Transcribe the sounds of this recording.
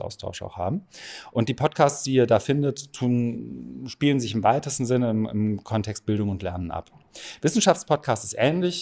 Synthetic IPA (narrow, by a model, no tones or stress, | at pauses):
ʔa̰ʊstʰa̰ʊʃa̰ʊxha̰ːbm̩ʔʊntd̥iːpʰɔtkʰaːst͡sd̥iːɐdaːfɪndətːʰuːnʃpiːlənzɪçɪmvaɪtəstn̩zɪnəɪmɪ̰mkʰɔntʰɛkst̚b̥ɪldʊŋʊntlɛɐnənʔa̰p | v̥ɪsn̩ʃaftt͡spʰɔt̚kʰaːstɪstʔɛːnlɪç